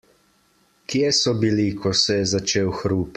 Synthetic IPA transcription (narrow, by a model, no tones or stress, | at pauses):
kjesɔbilikʰɔsɛjɛzat͡ʃeːwxɾuːp